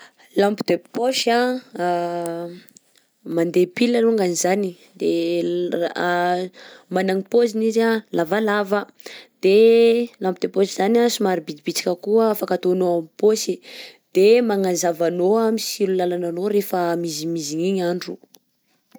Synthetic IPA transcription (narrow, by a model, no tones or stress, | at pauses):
lampid̪eppoʃa | mand̪epilaluŋɡanizani | d̪e | manaŋipozinizalavalavə | d̪̥elampid̪epoʃiz̥anasumaɾibid̪ibit͡si̥kʲəkuəːfakat̪onoamipoʃid̪̥emaŋazavanoamisilulalananoɾefəmizimiziɲiɲaɳɖ͡ʐu